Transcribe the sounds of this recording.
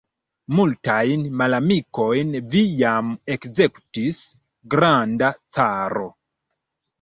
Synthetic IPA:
multajnmalamiko̞jnvijamekze̞kutis | ɡɾandat͡saɾo̞

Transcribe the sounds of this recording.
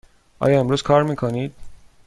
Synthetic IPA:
ʔɒ̰ːjɒːe̞mɾuːz̥kʰɒːɾmiːkʰoniːd̪̥̚

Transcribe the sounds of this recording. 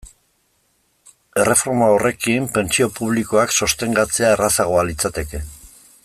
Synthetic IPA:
e̞re̞fo̞ɾmaore̞kimpe̞nt͡sio̞puβliko̞akso̞st̪e̞ŋɡat͡se̞ae̞rasaɣ̞o̞alit͡sat̪e̞ke̞

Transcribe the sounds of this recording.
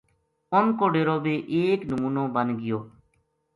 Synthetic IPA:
ʊnkoːɖeːɾoːbiːʔeːknəmuːnõːbənɡɪjoː

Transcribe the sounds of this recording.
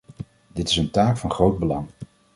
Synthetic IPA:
dɪtɪsəntaːkfɑnχrowd̚bəlɑŋ

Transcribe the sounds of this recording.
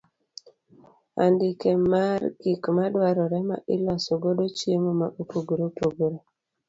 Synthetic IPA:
a̰ndɪkemarɡikmadwaɾɔɾɛma̰ʔɪlɔsoɡodot͡ʃjemomaʔopoɡoɾopoɡoɾo

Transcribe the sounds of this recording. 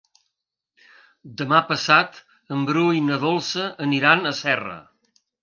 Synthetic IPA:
d̪əmapəsat̪ | əmbɾujnəðolˠsəəniɾanəsɛrə̰

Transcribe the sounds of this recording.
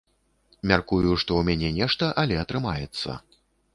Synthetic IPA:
mʲarkujuʂt̪ɔwmʲanʲɛnʲɛʂt̪ɐʔɐlʲɛɐt̪ɾɨma̰jɛt̪sːɐ̰

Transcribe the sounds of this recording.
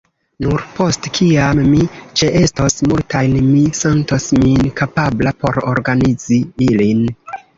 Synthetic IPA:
nuɾpo̞stkʰiamːit͡ʃe̞ʔe̞stosmultajnmise̞ntosminkapablapo̞̰ɾo̞̰ɾɡanid͡ziilin

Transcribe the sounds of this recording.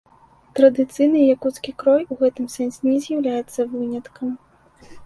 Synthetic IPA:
t̪ɾɐd̪ɨt̪sɨjnɨjakut̪skʲikɾɔjuɣɛt̪ɨmsɛnsʲɪnʲɛzʲjɐwlʲajɛt̪sːɐvɨnʲɐt̪kɐm

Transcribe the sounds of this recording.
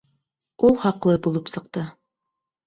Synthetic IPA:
ulˠχɑqlˠɤbulˠɤpsɤ̆qt̪ɤ

